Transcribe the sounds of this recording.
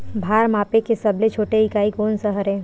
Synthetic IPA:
bʱaːɾmaːpekesɐblet͡ʃʰoːʈeikaːikoːnsəɦəɾɦɛ̃ː

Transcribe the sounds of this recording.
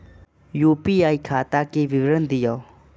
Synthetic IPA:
jupiajkʰat̪akibibɾənd̪ijaw

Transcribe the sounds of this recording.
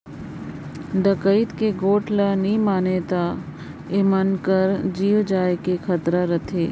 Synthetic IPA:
ɖ̪əkəit̪keɡoːʈʰlanĩmaːnet̪a | ɪmənkəɾd͡ʒiːʋd͡ʒaːjkekʰət̪ɾaɾət̪ʰeː

